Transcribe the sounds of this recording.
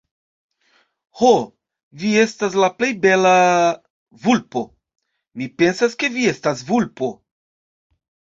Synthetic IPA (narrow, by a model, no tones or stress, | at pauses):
ho | vie̞stas̬laple̞jbe̞la | vulpo̞ | mipe̞nsaske̞vie̞stasvulpo̞